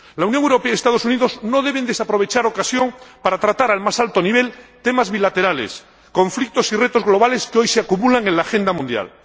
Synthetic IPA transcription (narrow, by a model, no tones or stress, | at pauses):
launjoŋewɾo̞pe̞ajest̪að̞o̞suniðo̞zno̞ðe̞β̞end̪esapɾo̞β̞e̞t͡ʃaɾo̞kasjo̞ŋpaɾat̪ɾat̪aɾalmasalt̪o̞niβ̞e̞lt̪e̞mazβilat̪e̞ɾalḛs | ko̞ɱflik̚t̪o̞sire̞t̪o̞zɣlo̞β̞ale̞skeo̞jseakumulaŋenlaːxe̞nd̪amũnd̪ja̰l